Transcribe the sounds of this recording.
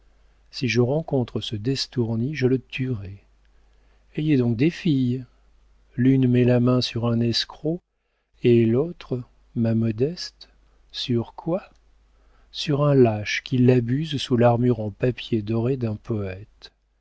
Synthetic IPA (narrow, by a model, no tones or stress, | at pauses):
siʒəʁɑ̃kɔ̃t̪χəsəd̪ɛst̪uʁniʒələt̪ʰyʁɛ | eɛd̪ɔ̃k̚d̪efij | lynmɛlamɛ̃syʁɛ̃nɛskχo | elot̪χə | mamɔd̪ɛst̪ | syʁkwa | syʁɛ̃laʃkʲilabyzsulaʁmyʁɑ̃papjed̪ɔʁed̪ɛ̃pʰɔɛt̪